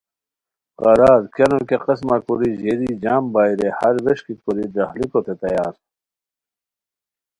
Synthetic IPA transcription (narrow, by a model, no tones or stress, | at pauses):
qɐɾaːɾkɐnokeqɐsmakuɾiʑeɾid͡ʑaːmbaːiɾehɐɾʋeɕkikuɾid̪ɐhlikot̪ʰet̪ɐjaːɾ